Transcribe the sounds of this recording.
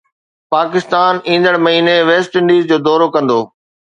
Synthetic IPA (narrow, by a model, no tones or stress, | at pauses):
paːkɪst̪aːnĩːn̆d̪əɽmɐɦiːneʋeːsʈɪ̃ɳɖiːzd͡ʑoːd̪ɔːɾokɐ̃nd̪oː